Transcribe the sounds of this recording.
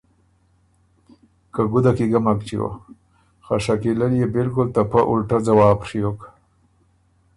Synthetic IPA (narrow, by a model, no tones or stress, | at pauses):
kaɡʊd̪akiɡamakt͡ʃiwo̰ | xaʂakilaljebɪlkʊlt̪apaʔʊ̰lʈad͡zawɑːpʂijok